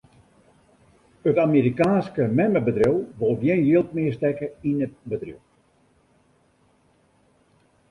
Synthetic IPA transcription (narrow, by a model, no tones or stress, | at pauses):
ətamiɾikaːnskəmɛməbədriwʋolˠʋjenjiəlˠt̚mɪəstɛkəinəbədrḭw